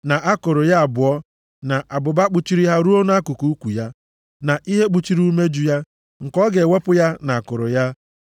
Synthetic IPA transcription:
na˨ʔa˦kʊ˨ɾʊ˨ja˦a˨bʊ˨ɔ˦ | na˨ʔa˨bʊ˨ba˦k͡pu˦t͡ʃi˦ɾi˦ɦa˦ɾu˦o˦na˦kʊ˨ku˦kʷu˨ja˦ | na˨ʔi˦ɦe˦k͡pu˦t͡ʃi˦ɾu˦u˦me˦d͡ʒu˦ja˦ | ŋ̩˨kɔ˦ɡe˨we˦pʊ˦ja˦na˨a˨kʊ˨ɾʊ̰˨ja˦

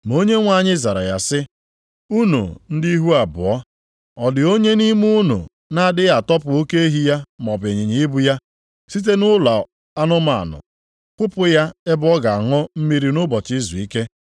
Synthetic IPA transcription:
mo˦ɲe˦ŋʷa˨ɲɪ˦za˨ɾa̰˨ja˨sɪ˦ | u˦nṵ˨n̩˦di˦i˦ɦu˦a˨bʊ̰˨ɔ˦ | ɔ˨dɪ˨o˦ɲe˦ni˦mu˦nṵ˨ | na˦˨dɪ˦ɣa˨tɔ˦pʊ˨o˦ke˦e˦ɦi˦ja˦m˨ɔ˨be˨ɲɪ˨ɲi˨ɪ˦bʊ˦ja˦ | si˦t̬e˦nʊ˦la˨ | a˦nʊ˦ma˨a̰˨nʊ̰˨ | kʷʊ˦pʊ˦ja˦ɪ˦bʊ˦ɔ˦ɡa˨a˨ŋɔ˦m̩˦mi˦ɾi˦nʊ˦bɔ˨t͡ʃɪ˦zṵ˨i˦ke˦

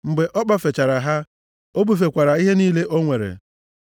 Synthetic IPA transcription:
ŋ͡m̩˨ɡ͡be˨ʔɔ˦k͡pa˦fe˨t͡ʃa˨ɾa˨ɦa˦ | o˦bu˨f̬e˨kʷa˨ɾa˨i˦ɦe˦niː˦le˦ʔo˦ŋʷe˨ɾḛ˨

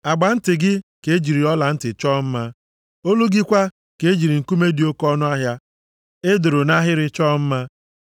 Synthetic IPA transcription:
a˨ɡ͡ba˨n̩˦tɪ˨ɡɪ˦ke˨˦d͡ʒi˨ɾi˨ɔ˦la˨n̩˦tɪ˨t͡ʃɔː˦m̩˦ma˦ | o˦lu˦ɡɪ˦kʷa˦ | ke˨e˦d͡ʒi˨ɾi˨ŋ̩˨ku˦me˦di˨o˦kɔ˦nʊ˦a˦ɦja˦ | e˦do˨ɾo˨na˦ɦɪ˦ɾɪ˦t͡ʃɔː˦m̩˦ma˦

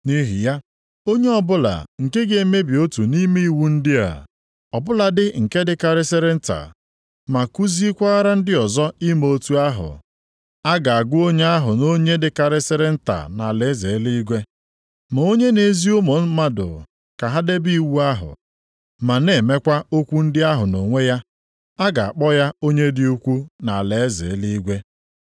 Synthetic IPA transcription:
ni˦ɦḭ˨ja˦ | o˦ɲe˦ɔ˦bʊ˦la̰˨ŋ̩˨ke˦ɡe˨me˦bi˨o˦tu˨ni˦me˦i˦˨wu˦n̩˦dɪ˦a̰˨ | ɔ˨bʊ˦la˨dɪ˦ŋ̩˨ke˦dɪ˦ka˨ɾɪ˦sɪ˦ɾɪ˦n̩˦ta̰˨ | ma˨ku˦zi˦kʷa˦a˦ɾa˦n̩˦dɪ˦ɔ˨zɔ˦i˦mo˦tu˦a˦ɦʊ̰˨ | a˦ɡa˨a˨ɡʷʊ˦o˦ɲe˦a˦ɦʊ˨no˦ɲe˦dɪ˦ka˨ɾɪ˦sɪ˦ɾɪ˦n̩˦ta̰˨na˨le˨˦ze˨˦li˦i˦ɡʷe˦ | mo˨˦o˦ɲe˦ne˨zi˦ʊ˦mo˨n̩˦ma˦dʊ̰˨ | ka˨ɦa˦de˦bi˦i˨wu˦a˦ɦʊ̰˨ | ma˨ne˨˦˨me˦kʷa˦o˦kʷu˦n̩˦dɪ˦a˦ɦʊ˨no˨ŋʷe˦ja˦ | a˦ɡa˨a̰˨k͡pɔ˦ja˦o˦ɲe˦dɪ˦u˦kʷu˦na˨a˨le˨e˦zḛ˨˦li˦i˦ɡʷe˦

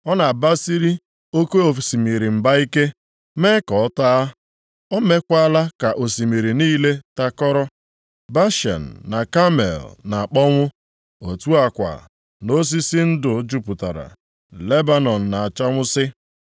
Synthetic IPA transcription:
ɔ˦na˨ba˦si˦ɾi˦ | o˦ke˦o˨fi˨si˨mi˨ɾi˨m̩˨ba˦i˦ke˦ | me˦kɔ˨ɔ˦ta˦ | ɔ˦me˦kʷa˦la˦ka˨ʔo˨si˨mi˨ɾi˨niː˦le˦ta˦kɔ˦ɾɔ˦ | ba˦ʃɛ̰˨n̩ː˨a˨ka˦mḛ˨lna˨a˨k͡pɔ˦ŋʷʊ˦ | o˨tu˦a˨kʷa̰˨ | no˦s̬i˦si˦n̩˦dʊ˨˦d͡ʒu˦pʊ˨ta̰˨ɾa̰˨ | le˦ba˨nɔ˨n̩˨na˨a˨t͡ʃa˦ŋʷʊ˦sɪ˦

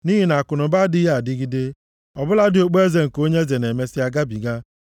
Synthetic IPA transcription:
ni˦ɦi˨na˨a˨kʊ˨nʊ˨ba˦dɪ˦ja˦˨a˨dɪ˦ɡi˦de˦ | ɔ˨bʊ˦la˦dɪ˨o˨k͡pe˦ze˨ŋ̩˨ko˦ɲe˦ze˨ne˨me˦sɪ˦a˦ɡa˦bi˨ɡa˦

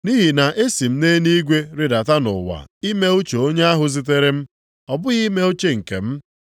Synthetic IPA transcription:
ni˦ɦi˨na˨ʔe˦si˨m̩˦ne˦ni˦ɡʷe˦ɾɪ˨da˨ta˦nʊ̰˨wa̰˨i˦me˦o˦t͡ʃo˨o˦ɲe˦a˦ɦʊ˦zi˦t̬e˦ɾe˦m̩˦ | ɔ˨bʊ˦ɣi˦me˦o˦t͡ʃe˦ŋ̩˨kḛ˨m̩˦

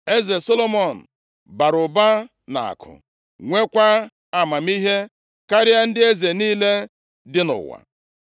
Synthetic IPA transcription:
e˦ze˨so˦lo˦mɔ˨n̩˨ | ba˨ɾʊ˨ba˦ | na̰˨a̰˨kʰʊ̰˨ | ŋʷe˦kʷa˦ | a˨ma˨mi˦ɦe˦ | ka˦ɾɪ˦a˦n̩˦dɪ˦e˦ze˨niː˦le˦ | dɪ˦nʊ̰˨wa̰˨

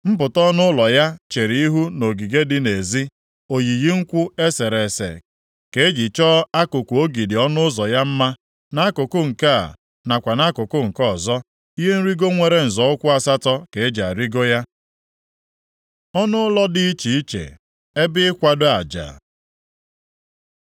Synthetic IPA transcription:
m̩˦pʊ˨tɔ˦nʊ˦lɔ˨ja˦t͡ʃe˨ɾi˨˦i˦ɦu˦no˨ɡi˨ɡe˦dɪ˦ne˨zi˦ | o˨ji˨ɣi˦ŋ̩˦kʷʊ˦e˦se˨ɾe˨sḛ˨ | ke˨e˦d͡ʒi˨t͡ʃɔ˦a˦kʊ˨kʷu˨o˦ɡi˨dɪ˨ɔ˦nʊ˦zɔ˨ja˦m̩˦ma˦ | na˦a˦kʊ˨kʊ˦ŋ̩˨ka˦a̰˨ | na˨kʷa˨na˦kʊ˨kʊ˦ŋ̩˨kɔ˦˨zɔ˦ | i˦ɦe˦n̩˦ɾi˦ɡo˦ŋʷe˨ɾe˨n̩˨zɔ˨˦ʊ˦kʷʊ˦a˦sa˦tɔ˦ke˨˦d͡ʒa̰˨ɾi˦ɡo˦ja˦ | ɔ˦nʊ˦lɔ˦dɪ˦i˦t͡ʃi˨i˦t͡ʃḛ˨ | e˦bɪ˦ɪ˦kʷa˦dʊ˦a˨d͡ʒa̰˨

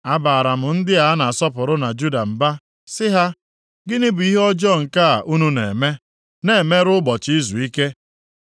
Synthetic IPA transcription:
a˦baː˨a˨ɾa˨mʊ˨n̩˦dɪ˦a˨a˦na˨sɔ˦pʊ˨ɾʊ˦na˨d͡ʒu˦da˨m̩˨ba˦ | sɪ˦ɦa˦ | ɡɪ˦nɪ˦bʊ˨i˦ɦɔ˦d͡ʒɔ˦˨ŋ̩˨ka˦a˨ʔu˦nu˦nḛ˨me˦ | ne˨me˦ɾʊ˦ɡ͡bɔ˨t͡ʃi˦zu˨i˦ke˦

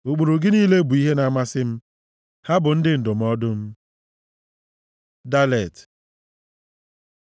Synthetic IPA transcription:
o˨k͡po˨ɾo˨ɡɪ˦niː˦le˦bu˨i˦ɦe˦na˨˦˨ma˦sɪ˦m̩˦ | ha˦bʊ˨n̩˦dɪ˦n̩˨dʊ˨m̩˦ɔ˦dʊ˦m̩˦ | da˦le˨t

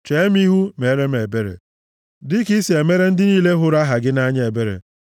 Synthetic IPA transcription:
t͡ʃe˨˦e˦m˦i˦ɦu˦me˨˦ɾe˦m˦e˨be˦ɾḛ˨ | dɪ˦ki˦si˨e˨me˦ɾe˦n̩˦dɪ˦niː˦le˦ɦʊ˦ɾa˦ɦa˨ɡɪ˦na˦ɲ˦e˨be˦ɾḛ˨

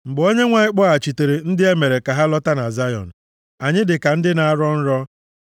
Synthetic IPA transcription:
ŋ͡m̩˨ɡ͡bo˦ɲe˦ŋʷa˨ɲɪ˦k͡pɔ˦a˨t͡ʃi˨te˨ɾe˨n̩˦dɪ˦e˦me˨ɾe˨ka˨ɦa˦lɔ˦ta˦na˨za˦jɔ̰˨n̩˨ | a˨ɲɪ˦dɪ˨ka˨n̩˦dɪ˦na˨a˦ɾɔ˦n̩˦ɾɔ˦

